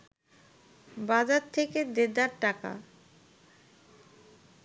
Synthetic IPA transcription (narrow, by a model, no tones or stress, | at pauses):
bad͡ʑatt̪ʰːeked̪ed̪aɾʈaka̰